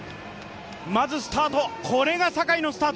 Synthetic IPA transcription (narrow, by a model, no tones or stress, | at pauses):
mazɨsɨ̥t̪aːt̪okʰo̞ɾe̞ɡasakaino̞sɨ̥t̪aːt̪